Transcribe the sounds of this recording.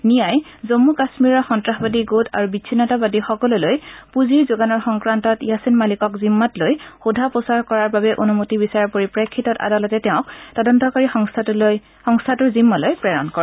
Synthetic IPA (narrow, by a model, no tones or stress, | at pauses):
nijaj | zomːukasmiɹɔxɔntɹaxbadiɡotʰa̰ɹubisʰinɔtabadixɔkɔlulojpuziɹzoɡanɔɹxɔŋkɹantɔtjasinmalikɔkzimːatlojxudʱaposaɹkɔɹaɹbabɛʔonumotibisaɹaɹpoɹipɹekʰːitɔta̰dalɔtɛtɛʊ̃ktɔdɔntɔkaɹixɔŋs | xɔŋstʰatuɹzimːalojpɹɛɹɔ̰nkɔɹɛ